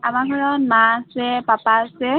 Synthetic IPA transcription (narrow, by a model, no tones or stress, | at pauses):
amaɡʱɔɹɔnmasɛpapasɛ